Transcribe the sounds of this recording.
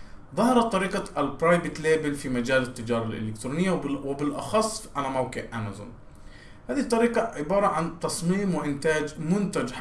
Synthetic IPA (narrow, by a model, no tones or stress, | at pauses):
ðˤɑhɑɾˤɑt̪ˤːɑɾiːqɑʔalpɾˤɑːjbɪt̪leːbɪlfimad͡ʒaːlat̪ːad͡ʒɑːɾˤɑlʔɪ̰lɪkt̪ɾuːnɪjːawɪbɪlʔɑ̰xɑsˤːʔanamabkɪʔʔamazʊ̰n | haːðit̪ˤːɑɾiːqɑʕɪbɑːɾˤɑʕant̪ɑsˤmiːmwɪʔɪnt̪aːd͡ʒmʊnt̪ad͡ʒħ